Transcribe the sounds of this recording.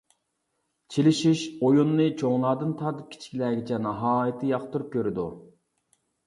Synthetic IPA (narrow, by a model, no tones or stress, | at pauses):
t͡ʃʰelɪʃiʃojunːɨt͡ʃʰoŋlˠɑːd̪ɨnt̪ʰɑɾt̪ɨp̚kʰʲi̥t͡ʃʰi̥kʲʰilɛːɡʲit͡ʃʰɛnɑɦɑːjɨt̪ʰɨjɑqt̪uɾup̚kʲøɾɪd̪ṵ